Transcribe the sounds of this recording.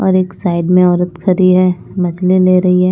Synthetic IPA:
ɔ̰ːɾeːksaːɪɖmẽɔːɾət̪kʰɐɾiɦɛ | mɐd͡ʒlileːɾɐɦiɦɛː

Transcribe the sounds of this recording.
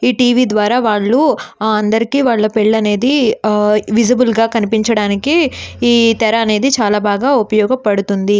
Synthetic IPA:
iːʈiːʋiːd̪ʋaːɾaːʋaːɭːuaːɐnd̪ɐɾikiːʋaːɭːɐpeɭːɐne̞ːd̪i | ʋid͡ʒibulɡaːkɐnipiɲt͡ʃɐɽaːnikiː | t̪ɛɾɐːne̞ːd̪it͡ʃaːlaːbaːɡaːupɐjɔːɡɐpɐɽut̪und̪i

